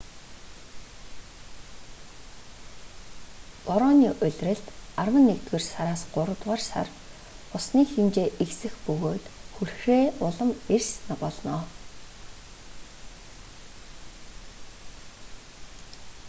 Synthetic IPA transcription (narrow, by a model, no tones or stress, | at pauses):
pɔɾɔːniːʔʊɮʲrɘ̆ɬt̪arwə̆nːekt̪ɣeːrsaɾaːsɢʊɾə̆t̪ʁaːrsa̰r | ʊsniːximt͡ɕeːʔeksɘ̆xpɵɣoːt̪xurxreːʊɮə̆mersnaɢɔːɮnɔː